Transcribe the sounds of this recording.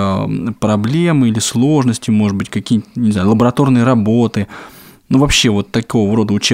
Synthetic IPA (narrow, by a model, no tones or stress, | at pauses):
pɾɐblʲe̞mɨilʲɪslˠo̞ʐnəsʲtʲɪʊmo̞ʐɨt̪̚bɨtʲkɐkʲijt̪nʲɪzajʊlˠəbəɾɐt̪o̞rnɨjəɾɐbo̞t̪ɨ | nuvɐpɕːe̞vo̞t̪ːɐko̞vəɾo̞d̪əʊt͡ɕe